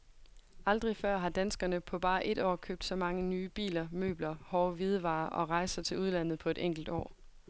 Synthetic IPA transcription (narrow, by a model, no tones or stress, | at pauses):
ɑ̈ld̥ʁifɶɐ̰ɦɑ̈d̥ænsɡ̥ɐnəpʰɒ̽b̥ɑ̈ːʔe̝d̥ɒ̰ːkʰøːb̥d̥sɒ̽mɑ̈ŋənyːb̥ḭːlɐmø̰ːb̥lɐhɒːʋið̞ˠəʋɑ̈ːʔɒ̽ʁɑ̈ɪsɐt͡sʰe̝luð̞ˠlæn̰ð̩ˠpʰɒ̽e̝ɾeŋ̰ɡ̥l̩d̥ɒ̰ː